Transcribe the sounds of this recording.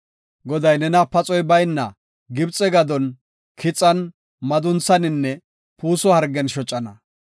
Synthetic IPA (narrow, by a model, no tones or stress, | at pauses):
ɡɔd̪ɐjnɛnɐpɐt͡sʼɔjbɐjnːɐ̰ | ɡɪbt͡sʼːɛɡɐd̪ɔn | kʰɪt͡sʼːɐn | mɐd̪ʊnt͡sːɐnɪnːɛ | puːsɔhɐɾɡɛnʃɔt͡ʃʼːɐnɐ